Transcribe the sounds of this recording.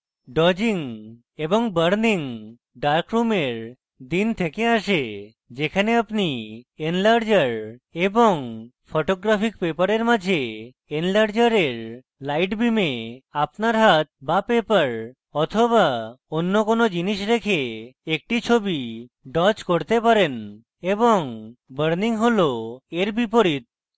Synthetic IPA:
ɖɔd͡ʑiŋ | ebɔŋbəɾniŋ | ɖaɾkɾumeɾ | d̪int̪ʰekeaʃe | d͡ʒekʰaneapnienlaɾd͡ʒəɾeboŋpʰoʈoɡɾapʰikpepəɾeɾmad͡ʒʱe | enlaɾd͡ʒəɾeɾ | lajʈbimeapnaɾɦat̪̚bapepəɾ | ɔt̪ʰoβaonːokonod͡ʒiniʃɾekʰeek̚ʈit͡ʃʰobi | ɖɔt͡ʃkoɾt̪epaɾen | eboŋbəɾniŋɦoloeɾbipoɾit̪̚

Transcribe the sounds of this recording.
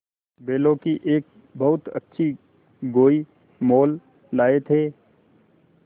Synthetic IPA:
beːlõkiʔeːk̚ | bɐɦʊt̪ə̰tːʃʰi | ɡoːi | moːlː | aːet̪ʰeː

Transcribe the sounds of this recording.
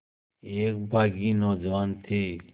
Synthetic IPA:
eːk̚bʱaːɡinɔːd͡ʒʋaːnt̪ʰeː

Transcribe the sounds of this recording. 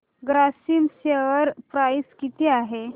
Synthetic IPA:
ɡɾasimseʋəɾpɾajskit̪eaɦe

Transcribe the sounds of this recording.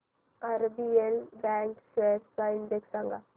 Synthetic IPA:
aɾbielbɛːŋksweːʈkaɪnd̪eksaŋɡa

